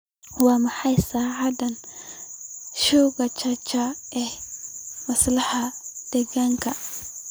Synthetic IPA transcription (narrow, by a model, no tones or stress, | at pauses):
wɑːmɑħɑjsaːʕɑdɐn | ʃuːɣɐt͡ʃʰɐt͡ʃɐɛhmɐslɐħɐd̪̥ɛɣaːŋkʰɐ